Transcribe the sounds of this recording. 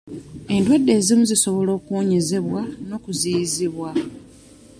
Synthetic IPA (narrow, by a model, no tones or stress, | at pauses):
e̞ndwadːe̞ːzimuziso̞βo̞lo̞ːkuoɲe̞ze̞βwano̞ːkuziziβwa